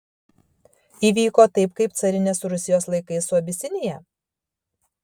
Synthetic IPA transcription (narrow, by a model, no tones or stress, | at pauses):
iːʋʲiːkoːt̪ɐɪpkɐɪp̚t̪sɐɾʲɪnʲeːsɾʊsʲɪjoːslˠɐɪkɐɪsuɐbʲɪsʲɪnʲejɛ